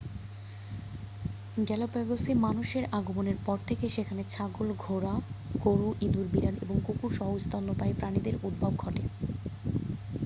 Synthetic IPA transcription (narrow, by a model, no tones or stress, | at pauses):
ɡɛlapɛɡosemanuʃeɾaɡomoneɾpɔɾt̪ʰekeʃekʰanet͡ɕʰaɡolɡʱoɾakoɾuʔid̪uɾbiɾalḛboŋkukuɾʃɔɦost̪ʰanːopaepɾanid̪eɾud̪̚bʱab̚ɡʱɔʈe